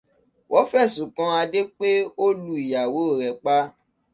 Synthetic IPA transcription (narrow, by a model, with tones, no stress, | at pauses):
wʔɔ˨˦fɛ˦˨sũ˨kã˧a˧de˦k͡pe˦o˦lu˦i˨ja˨wo˨˦o˦˨ɾɛ˨k͡pa˦